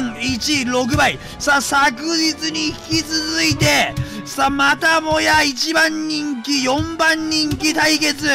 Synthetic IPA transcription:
ŋit͡ɕiɾo̞k̬ɯ̟bai | sasakɯ̟d͡ʑit͡sɨɲ̟içi̥kʲit͡sɨzɨit̪e̞samat̪amo̞jait͡ɕibãɲːĩŋkʲijõ̞mbãɲːĩŋkʲit̪aike̞t͡sɨ

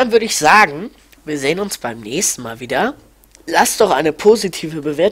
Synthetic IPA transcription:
anvʏɐɾəɪçz̥aːɡŋ̩ | viːɐzeːənʊnsb̥aɪmnɛːçstn̩maːlviːdɐ | lasd̥ɔχʔaɪnəpʰoːzitʰiːvəbəveːɐt

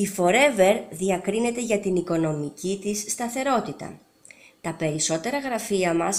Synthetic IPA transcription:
ifo̞ɾe̞ve̞ɾðiɐkɾine̞t̪e̞ʝɐt̪iniko̞no̞micit̪isːt̪ɐθe̞ɾo̞t̪it̪ɐ̰ | t̪ɐpe̞ɾiso̞t̪e̞ɾɐɣɾɐfiɐmɐs

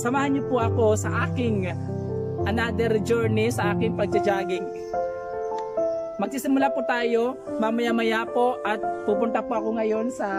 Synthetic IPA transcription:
sɐmaːhɐnɲopʊʔɐko̞sɐʔaːkɪŋ | ʔɐnad̪ɛɾd͡ʒɛɹnisɐʔaːkɪŋpɐɡ̚d͡ʒɐd͡ʒaːɡɪŋ | mɐɡ̚sisɪmʊlapʊt̪aːjo̞ | mɐmɐjamɐjapo̞ʔɐt̪̚puːpʊnt̪ɐpʊʔɐkoŋɐjo̞nsɐ

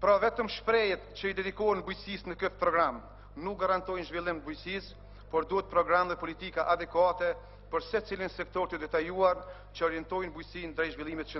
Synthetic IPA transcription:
pɾavɛt̪əmʃpɾɛjɛt̪t͡ɕəid̪ɛd̪ikɔɦənbujsisnəkət̪pɾɔɡɾam | nuk̚ɡaɾant̪ɔjnʒvilˠimt̪bujsis | pɔɾd̪uɛt̪̚pɾɔɡɾamðɛpɔlit̪ikaʔad̪ɛkwat̪ɛ | pəɾsɛt͡silinsɛk̚t̪ɔɾt̪əd̪ɛt̪ajuaɾ | t͡ɕəɔɾjɛnt̪ɔjnbujsind̪ɾɛjʒvilˠimɛt̪t͡ʃə

